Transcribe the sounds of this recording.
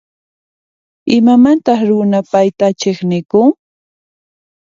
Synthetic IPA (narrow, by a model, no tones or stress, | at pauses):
ɪmamant̪ɑχɾʊnapajt̪at͡ʃeχnɪkʊŋ